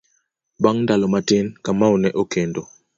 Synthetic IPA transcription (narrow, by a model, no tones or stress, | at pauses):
baŋndalɔmatenkamawnɛʔokɛndɔ